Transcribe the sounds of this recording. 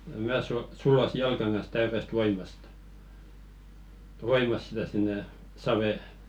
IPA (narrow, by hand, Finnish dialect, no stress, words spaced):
mæː su sulːosi jɑlkɑŋ kɑns tæyrest ʋoimɑst ʋoimɑs sitæ sinːe sɑʋeˑ